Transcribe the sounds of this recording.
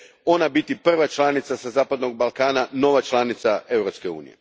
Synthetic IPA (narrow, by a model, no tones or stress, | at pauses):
o̞nabit̪ipr̩ʋat͡ʃlˠanit̪sasazaːpad̪no̞ɡ̚balˠkaːnano̞ʋat͡ʃlanit̪sae̞wɾopske̞ṵːnije